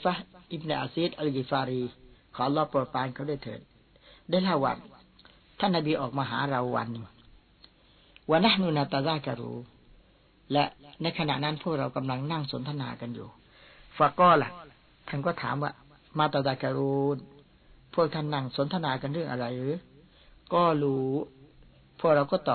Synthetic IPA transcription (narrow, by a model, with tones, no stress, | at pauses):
fa˦˥hʔi˦˧b̚na˧ʔa˧siː˦˥t̪̚ʔa˧lɡiː˧˩faː˧ɾi˧kʰɔː˨˦ʔa˧lːɔː˦˥˩poː˨˩paː˧nkʰa˦˥˩daː˥˩jt̪ʰɤ̰ː˨˩t̪̚ | daː˥˩jlʰa˥˩wːa̰ː˧˩ | t̪ʰa˥˩nːa˧biː˧ʔɔː˨˩k̚maː˧ɦa̰ː˩˦ɾa˧wwa̰˧nːi˧˩ | waː˧na˦˧˥hnu˧na˧t̪a˧zaː˧ka˧ɾṵː˧ | lɛ˦˥ʔna˧jkʰa˧na̰˨˩ʔna˦˥˩npʰu˥˩ək̚ɾa˧wka˧mla˧ŋna˥˩ŋso˨˩˦nt̪ʰa˧na̰ː˧ka˧njṵː˨˩ | fa˨˧kːɔː˥˩la̰˨˩ | t̪ʰa˥˩nkɔː˥˩t̪ʰa̰ː˩˦mwaː˧˩ | maː˧t̪aː˧zaː˧ka˧ɾuː˧n | pʰu˥˩k̚t̪ʰa˥˩nːa˥˩ŋso˨˦nt̪ʰa˧naː˧ka˧nɾɯ˥˩əŋʔa̰˧ɾa˧jɾɯː˨˦ | kɔː˥˩luː˦ | pʰu˥˩ək̚ɾa˧wkɔː˥˩t̪ɔː˨